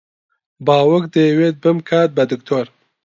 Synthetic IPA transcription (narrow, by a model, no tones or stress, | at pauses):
bɑːwʊkd̪əwet̪̚bəmkʰaːt̪̚bad̪ɪkt̪ʰoɾ